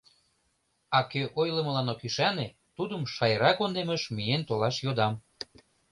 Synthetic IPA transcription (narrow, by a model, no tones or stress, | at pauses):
ɑkøʔojləməlɑnokiʃɑne | t̪ud̪əmʃɑjəɾɑkond̪eməʃmijent̪olɑʃjod̪ɑm